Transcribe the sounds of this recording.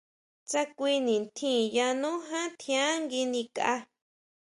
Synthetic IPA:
t͡sa˦kʷi˧nĩ˨nt̪ʰĩ˦˨ja˧nũ˦ɦã˦t̪ʰĩ˧ã˦ŋɡi˧nĩ˧ka˧ʔa˧

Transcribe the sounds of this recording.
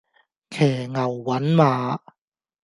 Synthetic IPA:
kʰɛː˨˩ŋɐ˨˩wːɐ˨˥nmaː˨˧

